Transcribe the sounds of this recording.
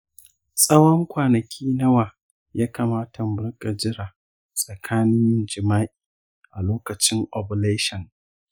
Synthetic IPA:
sʼɐ˦wɔ˦ŋkʷaː˨nɐ˨kʲʰiː˦nɐ˦waː˨ | jaː˦kaː˨maː˦tʰa˨m˦bʊ˦rkʼa˨d͡ʒɪ˦ɾaː˨ | sʼɐ˨kʰaː˦nɪ˦nd͡ʒɪ˨maː˦ʔi˨ | ʔa˨loː˦kɐ˨t͡ʃɪ˦ŋʔɔ˨bʊ˨leː˦ʃɐ˨ŋ

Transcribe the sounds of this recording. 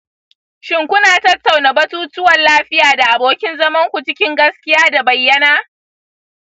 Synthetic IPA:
ʃɪ˦ŋkʷʊ˦naː˨tɐ˦tːa˨wnaː˨bɐ˦tuː˦tʊ˦wɐ˨nlaː˦ɸɪ˦jaː˨da˨ʔa˨boː˨kʲɪ˦nzɐ˦mɐ˦ŋkʷu˨t͡ʃɪ˦kʲɪ˦ŋɡɐ˦skʲɪ˦jaː˦da˨bɐ˨jːɐ˦naː˦

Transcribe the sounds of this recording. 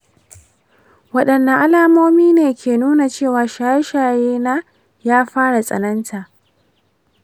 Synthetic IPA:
wɐ˦ɗɐ˨nːa˨ʔa˦laː˨moː˦miː˦neː˨kʲeː˨nuː˦na˨t͡ʃeː˦˨waː˨ʃaː˨ja˦ʃaː˨jeː˦naː˦ | jaː˦ɸaː˦ɽa˨sʼɐ̰˨nɐ˦ntʰa˨ʔ

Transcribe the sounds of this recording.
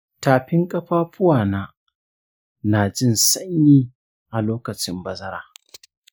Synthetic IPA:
taː˨ɸɪ˦ŋkʼɐ˦ɸaː˦ɸʊ˦waː˨naː˦ | naː˨d͡ʒɪ˦nsɐ˦ɲjiː˦ | ʔa˨loː˦kɐ˨t͡ʃɪ˦mbɐ˨zɐ˦ɾa̰ː˨

